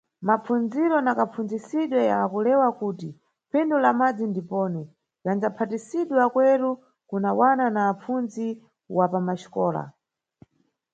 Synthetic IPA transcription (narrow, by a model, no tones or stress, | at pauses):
map͡fund͡ziɾɔnakap͡fund͡zisiɗwɛjakulɛwakuːti | pʰɛndulamad͡zindipɔːnɛ | jand͡zapʰatisiɗwɛakwɛɾu | kunawananaːp͡funzi | wapamaʃi̥kɔːla̰